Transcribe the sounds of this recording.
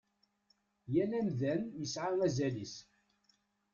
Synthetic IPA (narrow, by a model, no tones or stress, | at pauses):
jælænðænjəsʕaʁæzælis